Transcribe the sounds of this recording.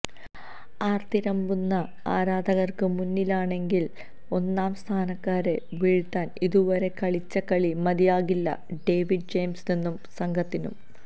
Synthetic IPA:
aːrt̪iɾɐmbunːɐ | aːɾaːd̪ʱɐɣɐrkɨmunːilaːɳe̞ŋɡil | o̞nːaːmst̪ʰaːnɐkːaːɾe̞ | ʋiɻit̪ːaːniðuʋɐɾe̞kɐɭit͡ɕːɐkɐɭimɐðijaːɣilːɐ̰ɖe̞ːʋiɖ̚d͡ʑejmsninːumsɐŋɡʱɐt̪ːinṵm

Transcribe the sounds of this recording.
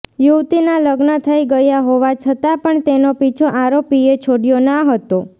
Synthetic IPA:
juʋt̪inaləɡnət̪ʰəiɡəjaɦoʋat͡ʃʰət̪apəɳt̪enopit͡ʃʰoʔaɾopiet͡ʃʰoɽijonaɦət̪o

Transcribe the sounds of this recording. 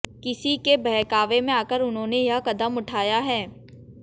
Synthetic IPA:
kɪsikebɛɦkaːʋemẽaːkəɾʊnɦõːnejɐɦkɐd̪əmʊʈʰaːjaɦɛː

